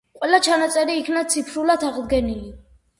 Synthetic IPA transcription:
qʼwɛlat͡ʃʰanat̪sʼɛɾiːkʰnat̪sʰipʰɾulat̪ʰaʁd̪ɡɛnili

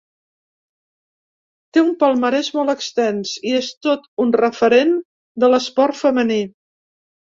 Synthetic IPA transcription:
t̪eumpəlˠməɾɛzmɔlˠəkst̪ɛnsiest̪ot̪unrəfəɾen | d̪ələspɔrt̪fəməni

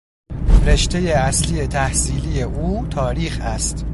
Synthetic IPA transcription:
ɾe̞ʃt̪e̞je̞æslie̞t̪ʰæhsiːlije̞ʔuːt̪ʰɒːɾiːxæst̪

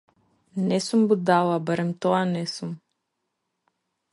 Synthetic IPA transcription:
nɛsumbud̪alˠabaɾɛmt̪ɔanɛsum

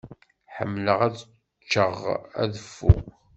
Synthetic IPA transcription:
ħə̰mːləʁæð | t͡ʃːəʁæ̰ðəfːʊ̰ʁ

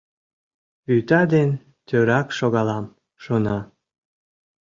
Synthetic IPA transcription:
βyt̪ɑd̪en | t̪øɾɑkʃoɣɑlɑm | ʃonɑ

